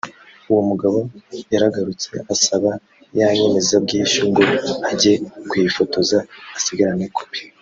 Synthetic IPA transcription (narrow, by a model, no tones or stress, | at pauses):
uwo̞muɡaβojaɾaɡaɾut͡se̞̰asaβa | jaɲemezabɡiːʃuŋɡo̞aɟekwifo̞to̞zaːsiɡaɾaneko̥βi̥